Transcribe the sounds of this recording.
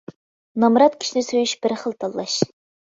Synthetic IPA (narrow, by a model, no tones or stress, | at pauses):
nɑmɾɑt̪kʲʰi̥ʃinɪsøjyʃbɪɾχəlˠt̪ʰɑlˠːɑʃ